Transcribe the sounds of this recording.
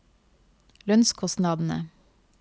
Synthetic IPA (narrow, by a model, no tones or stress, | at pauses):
lœnskʰɔst̪nɑːd̪n̩ə̰